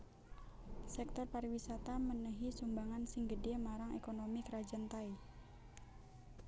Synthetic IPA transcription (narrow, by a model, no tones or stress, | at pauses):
sɛk̚t̪ɔrpaɾiwisat̪amənəɦisumbaŋansɪŋɡədemaɾaŋekonomikɾad͡ʒənt̪ai